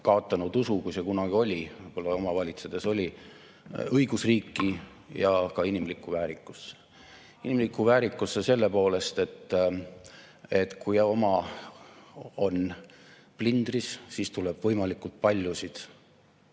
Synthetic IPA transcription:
kɑot̪ˑːɑnud̪usukujse̞kunɑɡ̥io̞lʲivɤjb̥olːɑo̞mɑvɑlʲit̪sed̪̥e̞so̞lʲi | ɤjɡ̥usriːkˑːi | jɑkɑinimlikːuvæːɾikːˑu̥sːe̥ | inimlikːˑuvæːɾikːˑusːese̞lːe̞po̞ːle̞st̪e̞t̪ː | et̪ˑkʰujo̞mɑ | o̞n | plind̪rissiːst̪uleb̥vɤjmɑlikːult̪̚pɑlʲjusid̪̥

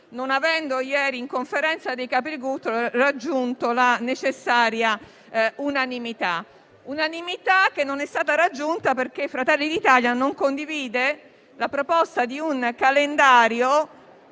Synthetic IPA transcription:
nonavɛnd̪ojɛːɾiːŋkoɱfeɾɛnt̪sad̪ekapiɾɡut̪ːrad͡ʒːunt̪olanet͡ʃesːaːɾja | unanimit̪a | unanimit̪ak̟ːenːonɛst̪aːt̪aɾad͡ʒːunt̪aperk̟eifɾat̪ɛlːid̪it̪aljanoŋkond̪iviːd̪e | lapɾopɔst̪ad̪iunkalend̪aːɾjo

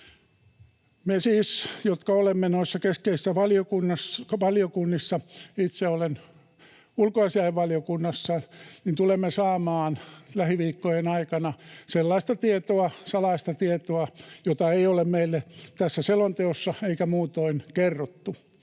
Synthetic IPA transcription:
mesiːsjot̪kɑolemːenoisːɑkeskeisisːæʋɑliokunːɑsʋɑliokunːisːɑit̪seolen | ulkoɑsiɑjeʋʋɑlijokunːɑsːɑnint̪ulemːesɑːmɑːnlæhiʋiːkːojenɑikɑnɑselːɑist̪ɑt̪iet̪oɑsɑlɑist̪ɑt̪iet̪oɑjot̪ɑeiolemmeilːet̪æsːæselont̪eosːɑeikæmuːt̪oinkerːot̪ːu

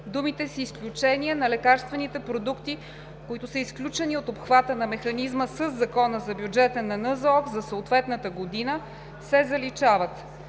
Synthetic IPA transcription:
d̪umit̪ɛsiːsklʲut͡ʃɛniɛnɐlɛkaɾst̪vɛnit̪ɛpɾod̪ukt̪i | koit̪ʊsəisklʲut͡ʃɛniot̪opxvat̪ənɐmɛxɐnizməsəzːɐkɔnəzɐbjud͡ʒɛt̪ənɐnəzɔkzɐsəot̪vɛt̪nət̪əɡod̪inə | sɛzɐlit͡ʃavət̪

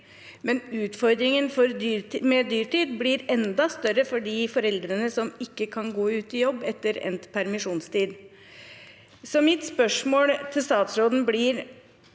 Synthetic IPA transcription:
mɛnʉːt̪fɔɾd̪ɾɪŋənfɔɾd̪yːɾmɛd̪yːɾʈiːd̪blɪɾɛnd̪ɑst̪œɾəfɔɖiːfɔɾɛld̪ɾənəsɔmɪkːəkʰɑnɡoːʉːt̪ɪjɔbːɛt̪ːəɾɛ̰nt̪pʰæɾmɪʂuːnst̪iːd̪ | sɔmɪt̪spœʂmoːlt̪ʰɪlst̪ɑːt̪sɾoːd̪n̩blɪɾ

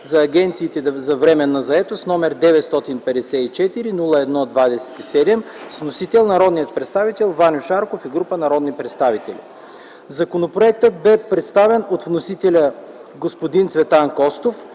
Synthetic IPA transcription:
zɐːɡɛnt̪siːt̪ɛzɐvɾɛmɛnːɐzɐɛt̪osnɔmɛɾd̪ɛvɛt̪st̪ɔt̪inpɛd̪ɛsɛit͡ʃɛt̪iɾinulˠəɛd̪nɔd̪vad̪ɛsɛ̥t̪isɛd̪ɛmsnosit̪ɛlˠnɐɾɔd̪nijət̪̚pɾɛt̪st̪avit̪ɛlˠvanʲoʃaɾkofiɡɾupənɐɾɔd̪nipɾɛt̪st̪avit̪ɛlʲḭ | zɐkonopɾoɛk̚t̪ət̪̚bɛpɾɛt̪st̪avɛnot̪vnosit̪ɛlʲə | ɡospod̪int̪svɛt̪ankɔst̪of

